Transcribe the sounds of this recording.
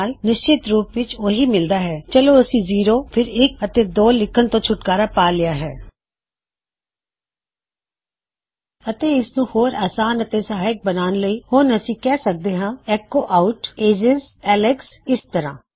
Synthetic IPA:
lnɪʃt͡ʃɪt̪ɾuːpʋɪt͡ʃoːɦiːmɪld̪aːɦɛːt͡ʃəloːəsĩːziːɾoːpʰɪɾɪk̚ət̪eːd̪oːlɪkʰːənt̪õːt͡ʃʰʊʈkaːɾaːpaːlɪjaːɦɛː | ət̪eːɪsnũːhoːɾaːsaːnət̪eːsaɦaɪk̚bənaːnləiːhoːnəsĩːkɛːsək̚d̪eːɦãːɛːkoːʔaːʊʈeːd͡ʒɪzɛːlɛksɪst̪əɾã̰ː

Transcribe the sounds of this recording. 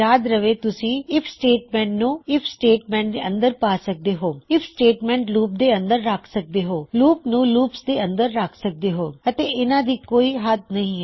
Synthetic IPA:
aːd̪ɾəʋeːt̪ʊsĩːɪpʰsʈeːʈmɛ̃ːɳʈnũːɪpʰsʈeːʈmɛ̃ːɳʈd̪eːə̃nd̪əɾpaːsək̚d̪eːɦoːɪpʰsʈeːʈmɛ̃ːɳʈluːp̚d̪eːə̃nd̪əɾːaːkʰsək̚d̪eːɦoːluːpnũːluːpsd̪eːə̃nd̪əɾːaːkʰsək̚d̪eːɦoːət̪eːɪnãːd̪iːkoːiːɦət̪nəɦĩːɦɛ

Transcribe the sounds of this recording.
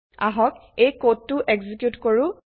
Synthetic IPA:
a̰ɦɔk̚ejkotːuʔeɡzikjutkoɹu

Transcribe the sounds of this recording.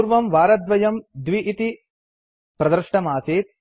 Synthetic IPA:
ɾʋɐmʋaːɾɐd̪ʋɐjɐmd̪ʋiʔit̪i | pɾɐd̪ɐɾʂʈɐmaːseːt̪̚

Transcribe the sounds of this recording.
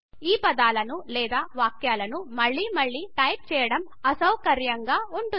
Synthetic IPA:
iːpɐd̪aːlɐnulɛːd̪aːʋaːkjaːlɐnumɐɭːiːmɐɭːiːʈɐjp̚t͡ʃɛːjɐɽɐm | ɐsɐwkɐɾjɐŋɡaːuɳʈu

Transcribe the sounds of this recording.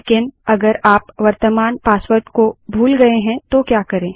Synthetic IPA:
ekɪnɐɡəɾaːpʋɐɾt̪əmaːnpaːspəɾt̪kobʱuːlɡɐeɦɛ̃t̪okjaːkɐɾẽː

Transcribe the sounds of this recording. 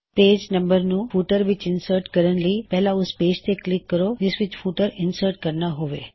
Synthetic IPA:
ped͡ʒnəmbəɾnũfuʈəɾʋɪt͡ʃɪnsəɾʈkəɾəɳʈlipɛɦlauspeːʃt̪ʰeklɪkːəɾod̪ɪsʋɪt͡ʃfuʈəɾɪnsəɾʈkəɾnaɦoʋḛ

